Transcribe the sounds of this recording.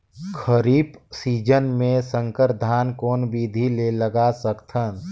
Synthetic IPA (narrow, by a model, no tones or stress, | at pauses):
kʰəɾiːpsiːd͡ʒənmẽsə̃ŋkəɾd̪ʱaːnkoːnbiːd̪ʱileləɡasəkt̪ʰən